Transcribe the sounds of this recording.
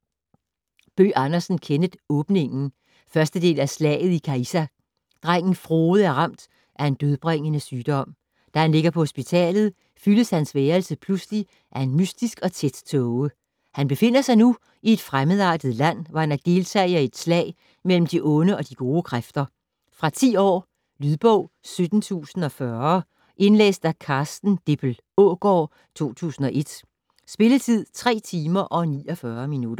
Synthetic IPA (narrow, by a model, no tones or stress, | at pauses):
b̥ø̰ːʔɑnɐsn̩kʰenəð̥ˠɔ̽ːb̥ne̝ŋn̩ | fɶɐsd̥əd̥e̝̰ːlæslɛ̰ːɪð̞̩ˠikʰæisæ | d̥ʁaŋ̰n̩fʁoːð̞̩ˠæɐʁɑm̰d̥ | ʔæɐe̝nd̥øð̞ˠb̥ʁeŋ̰ənəsyːd̥ɒ̽m̰ | d̥æhænle̝ɡ̥ɐpʰɒ̽hosb̥it͡sʰɛ̰ːlð̞̩ˠ | fyləshænsʋeːɐlsəpʰlusli | ʔæɐe̝nmysd̥isɡ̥ɒ̽t͡sʰed̥t͡sʰɔʊə | hænb̥e̝fe̝n̰ɐsɑ̈ɪnu | ie̝d̥fʁaməð̩ˠɑ̰̈ːd̥əð̩ˠlæn̰ʋɑ̈hænæd̥e̝lt͡sʰɛ̰ɪɐe̝d̥slɛ̰ɪ | mel̰m̩d̥iʔɔ̽nəɒ̽d̥iɡ̥o̝ːəkʰʁafd̥ɐ | fʁɑ̈t͡sʰḭːɒ̰ː | lyðˠb̥ɔʊ̰ | sød̥n̩t͡sʰṵːsn̩ɒ̽fɶɐ | ʔe̝nlḛːsd̥ækʰɑ̈ːsd̥n̩d̥eb̥l̩ | ɔɡ̥ɒː | t͡sʰo̝̰ːt͡sʰṵːsn̩ɒ̽ʔe̝d̥ | sb̥e̝lət͡sʰið̞̰ˠt͡sʰʁɛ̰ːt͡sʰiːmɐʔɒ̽nḭːɒ̽fɶːɐminud̥ɐ